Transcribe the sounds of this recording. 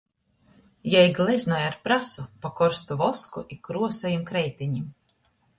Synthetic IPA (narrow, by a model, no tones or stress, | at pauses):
jajiɡlʲˠɛzʲnajaɾpɾasupakɔɾst̪uvɔskuʔikːɾuɔsajimkɾɛjt̪iɲim